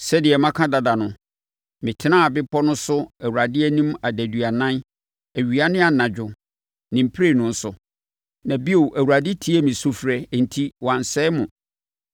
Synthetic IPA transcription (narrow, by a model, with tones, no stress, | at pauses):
sɛ˦dɪ˨ɛ˨mã˦kʰã˦da˨da˨nʊ̃˨ | mɪ̃˨tʰɪ˦ã˦˨bɪ˦pʰɔ˦nʊ̃˦sʊ˦æ˨wu˨ɾa˨dɪ˦æ˦nĩ˦ma˨dæ˨dɥa˨nã˦n | æ˨ɥi˨a˦nɪ̃˦a˨nã˨d͡ʑᶣʊ˨ | nɪ̃˨m̩˨pʰɾe˦˨nʊ̃˦˨n̩˦sʊ˨ | nã˨bi˦o˨ʔæ˨wu˨ɾa˨dɪ˦tʰi˦ɛ˦mɪ̃˨sʊ˦fɾɛ˦˨n̩˨tʰi˦wã˨n˨sɛ˦mʊ̃˨